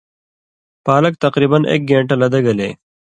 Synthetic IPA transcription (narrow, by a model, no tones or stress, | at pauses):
paːlɐk̚t̪ɐqɾiːbɐnḛːk̚ɡẽːɳʈɐlɐd̪ɐɡɐleː